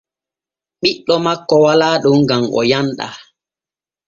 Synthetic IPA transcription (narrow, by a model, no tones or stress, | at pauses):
ɓiɗːɔmakːɔwalaːɗoŋɡamʔɔ̰janɗa̰